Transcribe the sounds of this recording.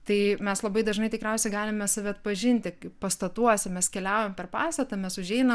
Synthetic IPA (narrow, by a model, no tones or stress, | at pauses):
t̪ɐɪmʲɛslˠɐbɐɪd̪ɐʒnɐɪt̪ɪkɾʲɛʊsʲɛɪɡɑːlʲɪmʲɛsɐʋʲɪɐt̪̚pɐʒʲɪnʲt̪ʲɪpɐst̪ɐt̪uɔsʲɪmʲɛskʲɛlʲæʊjompʲɛrpɑːst̪ɐt̪ɐmʲɛsʊʒʲɛɪnɐm